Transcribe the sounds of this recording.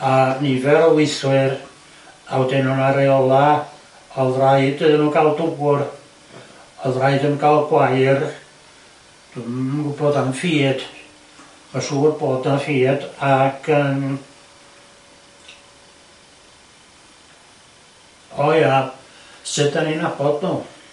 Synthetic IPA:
anivɛɾɔwɪjθwɪr | awdɛnɔnaɾɛɔlˠa | ɔðrajdɨðənuːkʰalˠdʊɡʊr | ɔðrajdənkʰalˠɡwajr | d̥umʊboːdanfiːd̥ | maʃuːrboːdanfiːdaɡ̥ʰəm | ɔja | sɨdaninab̥ɔdnuː

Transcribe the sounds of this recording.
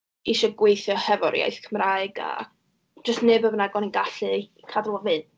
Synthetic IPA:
iʃɔɡwejθjɔhɛvɔ̰ɾja̰jθkʰəmraːɨɡa̰ | d͡ʒəstnɨbəbənaɡɔniɡaɬɨ | kʰadlˠavɨn

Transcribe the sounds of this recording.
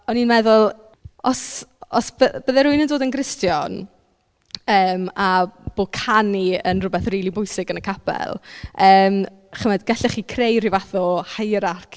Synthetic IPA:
ɔninmɛðʊlˠ | ɔsɔsbəb̥əðɛɾuɨnəndoːdənɡrɪstjɔn | əːmab̥oːkʰaniənrʊbɛθriːlˠibʊjsɪɡənəkʰapʰɛ̰lˠəːm | χəmɛdɡaɬɛχiːkʰrejrivaθɔhajɾarkʰ

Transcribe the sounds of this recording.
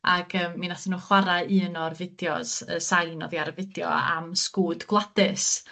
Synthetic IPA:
aɡ̥əːmːinaθənuːχwaɾaɨːnɔrvɪdjɔ̰sə̰sajnɔ̰ðjaɾəvɪdjɔ̰a̰mskuːdɡ̥lˠadɨs

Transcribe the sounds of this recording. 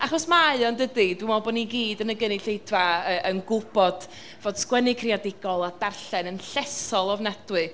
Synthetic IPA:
aχɔsmaaɨɔndədidwɪmɔbɔːniɡiːdənəɡəniɬejdvaəʔənɡʊbɔd̥ | voːd̥skwɛnɪkʰriadɪɡ̥ɔlˠad̥arɬɛnənɬɛsɔlˠɔvnɛdwɨ

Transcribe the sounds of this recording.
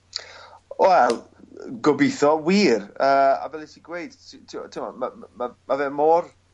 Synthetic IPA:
wɛlˠ | ɡɔbiθɔwiːɾəːa̰vɛlˠitʰiːɡwejd̥tʰitʰitʰɪmɔ̰mamamavɛːmɔr

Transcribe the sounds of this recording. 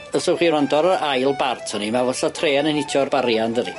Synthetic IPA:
əsɔχiːɾɔndɔɾəɾajlˠbartʰɔnimavɔɬatʰreːanənɪtʰjɔrbaɾjandəɾḭ

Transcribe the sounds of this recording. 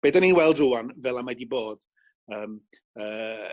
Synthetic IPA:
b̥eːdaninwɛlˠdrʊanvɛlˠamadiboːd̥ | əːm | əː

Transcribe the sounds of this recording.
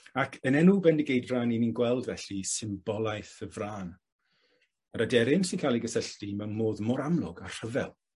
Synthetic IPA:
akʰənɛnubɛndɪɡejdraːnininɡwɛlˠdvɛɬisɪmbɔlˠajθəvraːn | aɾadɛɾɪmsɪnkʰaːlˠiɡəsəɬtimɛnmoːðmɔɾamlˠʊ̰ɡar̥əvɛ̰lˠ

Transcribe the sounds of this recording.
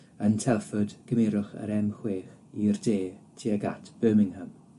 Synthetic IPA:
əntʰɛlˠfʊdɡ̥əmeːɾʊχə̰ɾɛmχweːχ | irdeːtʰiəɡa̰tʰb̥øːmɪŋhəm

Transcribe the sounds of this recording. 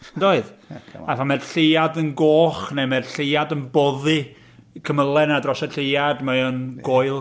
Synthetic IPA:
ndoːɨðaθamɛdɬejadənɡoːχnemɛrɬejadənbɔðɨ | kʰəməlˠɛnadrɔsəɬejadmajɔnɡoːɨlˠ

